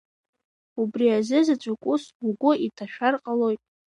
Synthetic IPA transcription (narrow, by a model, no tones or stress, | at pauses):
ubriazɨzat͡ʃʷʼakʷʼʊsuɡʷʊitʰaʃᶣarqʼalo̞jtʼ